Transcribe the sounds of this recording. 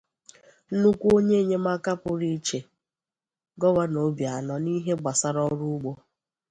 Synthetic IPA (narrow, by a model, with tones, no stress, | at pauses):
nu˦kʷu˦o˦ɲe˦˨ɲe˦ma˦ka˦pʊ˨ɾi˦t͡ʃe˨ | ɡɔ˦wa˦no˨bja˨nɔ˦ni˦ɦe˦ɡ͡ba˨sa˦ɾɔ˦ɾu˦ɡ͡bo˦